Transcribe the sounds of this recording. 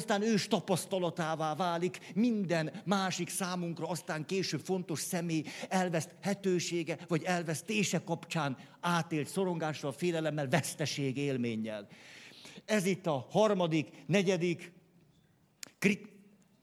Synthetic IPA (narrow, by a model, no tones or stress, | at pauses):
st̪aːnøːʃt̪ɒpɒst̪ɒlɒt̪aːvaːvaːlikmind̪ɛnmaːʃiksaːmuŋkrɒɒst̪aːŋkeːʃøːpfo̞nt̪o̞ʃsɛmeːjɛlvɛst̪hɛt̪øːʃeːɡɛvɒɟɛlvɛst̪eːʃɛkːɒpt͡ʃaːn | aːt̪eːlt̪so̞ɾo̞ŋɡaːʃːɒlfeːlɛlɛmːɛlvɛst̪ɛʃeːɡeːlmeːɲːɛ̰l | ɛzit̪ːɒhɒrmɒd̪iknɛɟɛd̪ik